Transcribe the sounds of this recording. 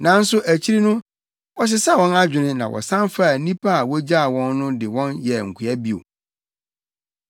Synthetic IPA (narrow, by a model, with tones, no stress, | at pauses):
nã˨n̩˦sʊ˦ʔæ˨t͡ɕʰi˦ɾi˦nʊ̃˦ | wɔ˨s̬ɪ˦sa˦˨wɔ̃˦na˦d͡ʑᶣɪ̃˨nɪ̃˦nã˨wʔɔ̰˨sã˦nfa˦˨nĩ˦pʰa˦a˨wɔ˦d͡ʑa˦a˨wɔ̃˦nːʊ̃˦dɪ˨wɔ̃˦njɛ˨ŋ̩˨kʰu˨æ˦bi˦o̰˨